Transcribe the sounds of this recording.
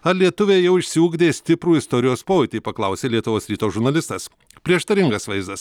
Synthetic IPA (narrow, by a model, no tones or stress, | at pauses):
ɐlʲiɛt̪ʊʋʲeːjɛʊɪʃʲsʲɪuːɡd̪ʲeːsʲt̪ʲɪpɾuːɪst̪ɔɾʲɪjoːspoːɪt̪ʲɪpɐklˠɐʊsʲeːlʲiɛt̪ʊʋoːsɾʲiːt̪oːʒʊɾnɐlʲɪst̪ɐs | pʲɾʲiɛʃt̪ɐɾʲɪŋɡɐsʋɐɪzd̪ɐs